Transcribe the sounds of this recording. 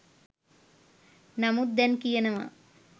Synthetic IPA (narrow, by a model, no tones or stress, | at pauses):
nɐmud̪ɐnkijɐnɐʋɐ̰